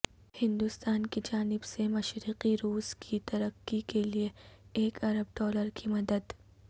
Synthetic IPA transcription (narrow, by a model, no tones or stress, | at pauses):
hɪ̃nd̪ʊst̪aːnkid͡ʒaːnɪbsemɐʃɾiːqiɾuːz̥kʰit̪ɐɾəqːikelieːkɐɾəb̚ɖɔːləɾkʰimɐd̪əd̪